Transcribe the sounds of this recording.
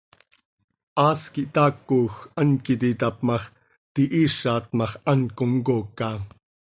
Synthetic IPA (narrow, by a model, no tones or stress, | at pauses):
ʔɑːskiʔt̪ɑːkːoːxɐnkit̪it̪ɑpmɑχ | t̪iʔiːʃaːt̪mɑχɐŋkoŋkoːkɑ